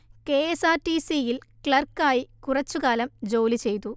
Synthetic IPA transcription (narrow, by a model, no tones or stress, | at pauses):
ke̞esaːʈisijilklɐrkːaːjikurɐt͡ɕːukaːlɐmd͡ʑoːlit͡ɕe̞jt̪u